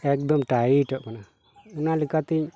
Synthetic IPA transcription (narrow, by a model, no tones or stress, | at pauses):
ek̚d̪omʈaiʈoʔkana | unalikat̪iɲ